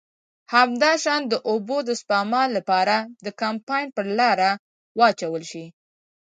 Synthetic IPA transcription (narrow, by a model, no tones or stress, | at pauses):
hamd̪ɑʃɑnd̪əʔobod̪əspɑmɑlːapɑɾad̪əkampɑjnpəɾlɑɾa | wɑt͡ʃawəlʃi